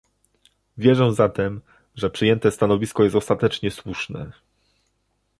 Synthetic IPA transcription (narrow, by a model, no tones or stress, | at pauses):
vʲjɛʐɛw̃zat̪ɛm | ʐɛpʂɘjɛnt̪ɛst̪anɔvʲiskɔjɛst̪ɔst̪at̪ɛt͡ʂɲɛswuʂnɛ̰